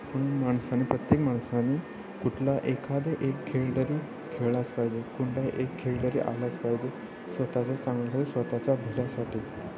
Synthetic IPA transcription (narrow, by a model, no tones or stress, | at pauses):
pəɳ̃maɳsanːiːpɾət̪jekmaɳsanːiː | kuʈʰlaʔekʰad̪eʔekʰːeɭɖəɾiː | kʰeɭat͡spaɦd͡ʑekuɳɖajʔekʰːeɭɖəɾḭʔa̰lat͡spajd͡ʑe | sʋət̪at͡ɕat͡sãŋɡlasaʈiːsʋət̪at͡ɕjabʱilasaʈʰiːd̪